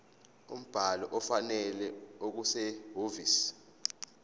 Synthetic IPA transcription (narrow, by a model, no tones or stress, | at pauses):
ṵm̩b̥ʱalɔʔɔfanɛlɛok̬usɛɦovis